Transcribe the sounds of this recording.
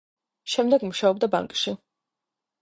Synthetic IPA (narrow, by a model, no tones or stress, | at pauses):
ʃɛmd̪ɛɡmuʃaɔb̚d̪aba̰ŋkʼʃi